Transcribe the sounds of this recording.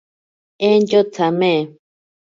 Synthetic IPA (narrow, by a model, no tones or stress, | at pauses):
end͡ʒot͡sʰamẽ